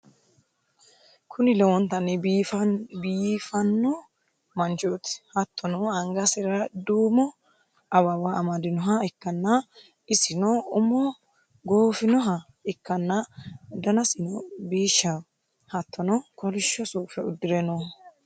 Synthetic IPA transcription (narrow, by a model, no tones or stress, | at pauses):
kʰʊnɪlɛwɔnt̪ɐnɛfbiːfɐnːɔ | mɐnt͡ʃot̪ɪ̥hɐt̪ʰːɔnɔɐŋɡɐsɪɾɐd̪uːmɔ | ɐwɐwaɐmɐd̪ɪnɔɦɐɪkːɐnːɐ | ɪsɪnɔʊmɔ | ɡoːfɪnɔɦɐ | ɪkːɐnːɐd̪ɐnɐsɪnɔbiːʃːɐ | hɐt̪ːɔnɔkɔlɪʃːɔsuːfɛʊd̪ːɪɾɛnɔ